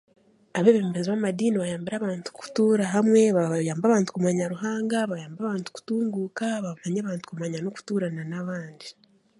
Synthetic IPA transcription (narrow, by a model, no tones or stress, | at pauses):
aβeβe̞ːmbeziβamadiːniβajaːmbiɾaːβaːntu̥ku̥tuːɾaɦamwe̞βajaːmbaβaːntu̥kumaɲaɾuɦaːŋɡaβajaːmbaβaːntu̥ku̥tuːŋɡuːkaβamaɲaβaːntu̥kumaɲanoku̥tuːɾananaβaːndi